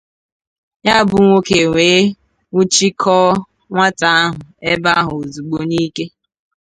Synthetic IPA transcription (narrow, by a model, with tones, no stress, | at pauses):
ɲa˦bʊ˨ŋʷo˦ke˨ŋʷeː˨˦ | ŋʷu˦t͡ʃi˦kʰɔː˦ | ŋʷa˦ta˨a˦ɦʊ˨e˦ba˦ɦʊ˨o˨zu˨ɡ͡bo˦ni˦ke˦